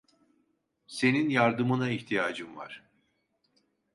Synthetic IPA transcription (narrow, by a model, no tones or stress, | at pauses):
se̞ninjaɾd̪ɯmɯnaiçt̪ʰijaːd͡ʒɯmva̰ɾ̥